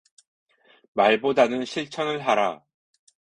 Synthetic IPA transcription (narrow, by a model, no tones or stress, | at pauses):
maɭbodanɯnɕʰiɭt͡ɕʰʌŋɯɭɦaɾa